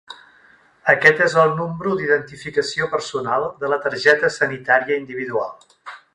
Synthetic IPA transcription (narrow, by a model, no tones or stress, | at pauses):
əkɛt̪ezəlˠnumbɾud̪iðənt̪ifikəsiopəɾsunalˠd̪ələt̪əɾʒɛt̪əsənit̪aɾiəind̪iβ̞iðua̰lˠ